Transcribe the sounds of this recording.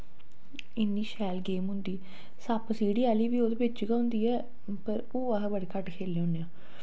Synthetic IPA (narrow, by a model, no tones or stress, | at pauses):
ɪnːiːʃɛːlɡeːmɦʊ̃nd̪iː | saːpəsiːɽiːaːliːʋiːoːd̪eːbɪt͡ʃɡãːʊ̃nd̪iːɛː | pəɾoːəɦbəɽekəʈkʰeːlːʊneãː